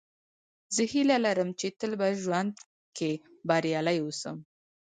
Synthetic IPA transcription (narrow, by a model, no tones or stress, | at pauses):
zəhilalaɾəmt͡ʃet̪əlbaʒwand̪ | kebaɾjɑlajwosə̰m